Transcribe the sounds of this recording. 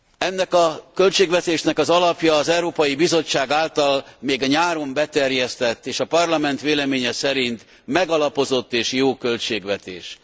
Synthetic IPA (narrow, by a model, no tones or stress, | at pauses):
ɛnːɛkɒkø̞lt͡ʃeːɡʋɛt̪eːʃnɛkɒzɒlɒpjɒːzɛwɾoːpɒjibizo̞t͡ʃːaːɡaːlt̪ɒlmeːɡɒɲaːɾo̞mbɛt̪ɛrjɛst̪ɛt̪ːeːʃɒpɒrlɒmɛnt̪ʋeːlɛmeːɲɛsɛɾint̪ | mɛɡɒlɒpo̞zo̞t̪ːeːʃjoːkø̞lt͡ʃeːɡʋɛt̪ḛːʃ